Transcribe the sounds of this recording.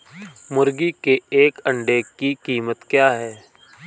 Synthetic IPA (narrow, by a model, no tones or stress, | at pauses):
mʊɾɡikeeːkə̃ɳɖeːkːikiːmət̪kjaːɦɛː